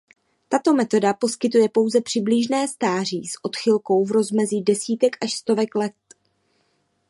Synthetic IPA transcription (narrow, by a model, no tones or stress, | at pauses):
t̪at̪o̞mɛt̪o̞dapo̞skɪt̪ujɛpo̞wzɛpr̝̥ɪbliʒnɛːst̪aːr̝iːsʔo̞t̪xɪlko̞wvɾo̞zmɛziːdɛsiːt̪ɛkaʃst̪o̞vɛklɛt̪̚